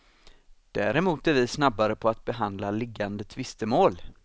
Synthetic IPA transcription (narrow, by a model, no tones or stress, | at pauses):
d̪̥æːɾɛmuːt̪æɾvɪsnabːaɾəpʰɔat̪̚bɛɦand̪lalɪɡːand̪ət̪ʰvɪst̪əmoːl